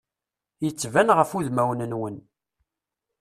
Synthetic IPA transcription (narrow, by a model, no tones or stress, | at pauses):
jət͡sːvænʁəfuðmæwnənwən